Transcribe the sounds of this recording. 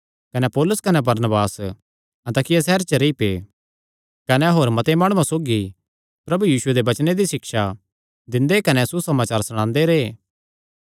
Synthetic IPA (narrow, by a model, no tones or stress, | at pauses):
kɐnɛpɔːlʊskɐnebɐɾnəbaːs | ɐ̃nt̪aːkɪjasɛːɾt͡ʃəɾeipe | kɐneɦoːɾmɐt̪emaːɽ̃uãsoːɡi | pɾɐbujiːsʊed̪ebɐt͡ʃned̪iʃɪkʃa | d̪ɪ̃nd̪ekɐnɛsusɐmaːt͡ʃaːɾsɐɽ̃ãːnd̪eɾeː